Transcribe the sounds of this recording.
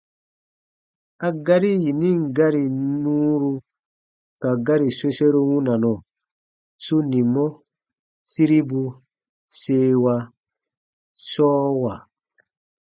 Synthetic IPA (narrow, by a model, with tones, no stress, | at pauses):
a˦ɡa˦ɾi˦ji˨nĩ˦ŋ˨ɡa˦ɾi˨nuː˦ɾu˧ | ka˨ɡa˦ɾi˨se˦se˦ɾu˦wũ˦na˨nɔ˨ | su˦ni˨mɔ˦ | si˦ɾi˦bu˧ | seː˦wa˧ | sɔː˦wa˨